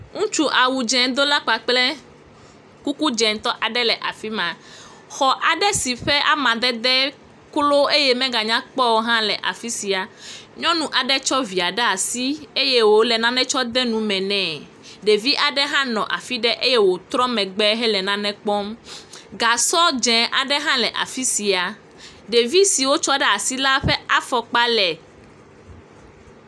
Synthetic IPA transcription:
ŋũ˦t͡ʃu˦ʔa˨wu˨d͡ʒɛ̃˨d̪o˦la˦k͡pa˨k͡plɛ˦ | ku˦ku˦d͡ʒɛ̃˨n˦t̪ɔ˦ʔa˨ɖɛ˦lɛ˨ʔa˨fi˦mã˨ | xɔ˨ʔa˨ɖɛ˦si˨ɸɛ˦ʔa̰˦˨mã˨d̪ɛ˦d̪ɛ˦ | klo˦e˦je˦mɛ̃˦ɡa˨ɲã˦k͡pɔ˦wo˦ɦã˦lɛ˨ʔa̰˨fi˦si˨a˨ɲɔ̃˦nũ˦ʔa˨ɖɛ˦t͡ʃɔ˦vi˨a˨ɖɛ˦a˨si˦e˦je˦wo˨lɛ˨nã˦nɛ̃˦t͡ʃɔ˦d̪ɛ˦nũ˨˦mɛ̃˨nɛ̃˨ | ɖe˨vi˦ʔa˨ɖɛ˦ɦã˦nɔ̃˨ʔa̰˨fi˦ɖɛ˦ʔe˦je˦wo˨t̪ɾɔ˦mɛ̃˨ɡ͡bɛ˦ɦɛ˦lɛ˨nã˦nɛ̃˦k͡pɔ˦mɡa˨sɔ˦d͡ʒɛ̃˨ʔa˨ɖɛ˦ɦã˦lɛ˨ʔa̰˨fi˦si˨a˨ | ɖe˨vi˦si˨wo˦t͡ʃɔ˦ɖɛ˦a˨si˦la˦ɸɛ˦a˦fɔ˨k͡pa˦lɛ˨

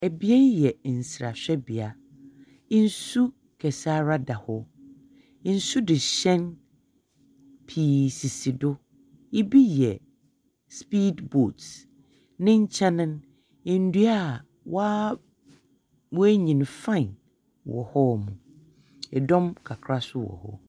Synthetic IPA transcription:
æ˨bi˦ɛ˦jɛ˨n̩˨sɾa̰˨ɕᶣɛ˦bi˨a˨˦ | n̩˦su˦ | kʰɛ˨saː˦ɾa˦da˨hɔ˦ | n̩˦sʊ˦dɪ˨ɕɛ̃˦n | pʰi˨si˨si˨dʊ˦ | i˦bi˦jɛ˨ | spiː˦dbo˨t | nɪ̃˦ɲ̩˦t͡ɕʰɛ̃˦nɪ̃˦n | ɪ˦˨n̩˦du˦a˦˨ | waː˦ | mʊ̃˦æ˦ɲĩ˨n˨fã˦˨n | wɔ̰˨hɔ˦˨mũ˨ | ɛ˨dɔ̃˦mkʰa˨kʰɾa˦sʊ˦wɔ̰˨hɔ̰˦

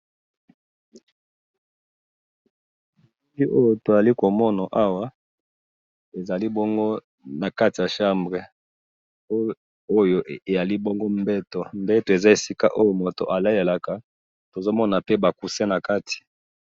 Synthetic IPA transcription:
li˦ʔo˦jo˨to˨ja˨li˦ko˨mɔ˦na˨ʔa˦wa˦ | e˨za˨li˦bɔ˦ŋɡo˦ | na˨ka˦ti˨ja˨ʃa˦mbʁe˨˦ | o˦jo˨ʔe˨ja˨li˦bɔ˦ŋɡo˦mbɛ˦to˨mbɛ˦to˨e˨za˦e˨si˦ka̰˦ʔo˦jo˨mo˨to̰˨ʔa˨la˦e˨la˨ka˨ | to˨zo˦mɔ˦na˨pe˦ba˨ku˨se˦na˨ka˦tʰi̥˨

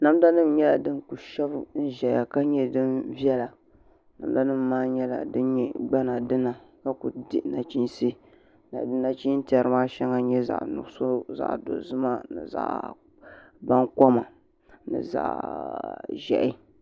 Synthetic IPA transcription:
na˦m˦da˦nɨ˦m˦ɲɛ˦la˨dɨ˦nku˨ʃɛ˦bn̩˦ʒɛ˨ja˨ka˦ɲɛ˦dɨ˦nvjɛ˦la˨ | na̰˨m˦da˦nɨ˦mː˨aː˦ɲɛ˦la̰˨dɨ˦nɲɛ˦ɡ͡ba˦na˨dɨ˦na˨ka˦ku˨dɪ̰˦ʔna˨t͡ʃi˦nsi˦ | na̰˨dɨ˦na˨t͡ʃi˦n˦ti˨a˨ɾɨ˦ma˦ʃɛ˦ŋa˦ɲɛ˦za̰˨ʔnʊ̰˨ɡso˦za̰˨ʔdo̰˨zʊ˦ma˦nɨ̰˨za̰˨ʔ | ba˦ŋkɔ˦ma̰˨ | nɨ̰˨za̰˨ | ʒɛ̰˨ʔɪ˦

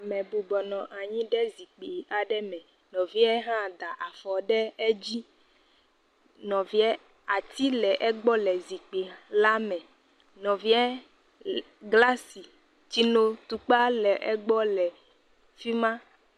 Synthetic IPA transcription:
a˨mɛ̃˨bu˨bɔ˨nɔ̃˨ʔa˨ɲĩ˦ɖɛ˦zi˨k͡pi˨a˨ɖɛ˦mɛ̃˨ | nɔ̃˨vi˦ɛ˦ɦã˦d̪a˨ʔa˨fɔ˨ɖɛ˦ɛ˦d͡ʑi˦ | nɔ̃˨vi˦ɛ˦ | a˨t̪i˦lɛ˨ʔɛ˦ɡ͡bɔ˦lɛ˨zi˨k͡pi˨la˦mɛ̃˨ | nɔ̃˨vi˦ɛ˦ | ɡla˦si˨ | t͡ɕi˦no˦t̪u˨k͡pa˦lɛ˨ʔɛ˦ɡ͡bɔ˦lɛ˨ | fi˦mã˦

